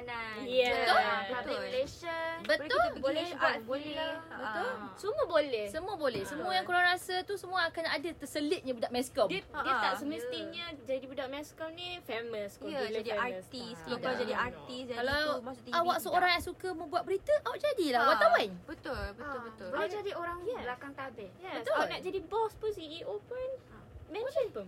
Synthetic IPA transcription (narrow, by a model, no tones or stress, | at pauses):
najɛbət̪olbət̪məleʃəbət̪oleaolɛbət̪ʊlsuməbolɛhsəmuəbolɛhsəmuajaŋkuɾaŋɾasat̪usəmũaakanadat̪əsəlɪt̪̚ɲabudaʔmɛskɔddiəaʔsəməst̪ɪhɲəd͡ʒadibudaʔmɛ̃skɔnĩfeməskuadiɛask̪iskkd͡ʒadiat̪isdɛkalamasʊt̪awaʔsəoɾaŋjaŋsukamə̃mbuat̪̚bəɾit̪əʔawaʔ̚d͡ʒadilawaʔ̪awanbət̪ʊlbəbət̪bolɛd͡ʒadioɾaŋjɛlakaŋt̪abɛjɛt̪aanad͡ʒadibɔspʊnsiiʔopʊn | mɛ̃nt͡ʃənpʊn